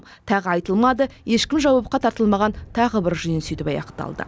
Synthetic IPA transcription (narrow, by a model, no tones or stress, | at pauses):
t̪ʰɑʁəɑjt̪əlˠmɑd̪əje̞ʃkʲɪmʒɑwɑp̚qɑt̪ʰɑɾt̪əlˠmɑʁɑnt̪ʰɑʁəbɪɾʒʏjɪnsyjt̪ɪpɑ̰jɑ̰qt̪ɑ̰lˠd̪ə̰